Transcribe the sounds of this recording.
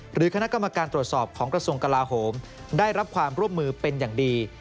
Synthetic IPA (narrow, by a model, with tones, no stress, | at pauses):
ɾɯː˩˦kʰa˧na˦˥ka˧mːa˧kaː˧nt̪ɾu˨˩ət̪̚sɔː˨˩p̚kʰɔː˩˦ŋkɾa˧su˧əŋka˧laː˧ɦoː˩˦m | daː˥˩jɾa˦˥p̚kʰwaː˧mɾu˥˩əmːɯː˧pe˧njaː˨˩ŋdiː˧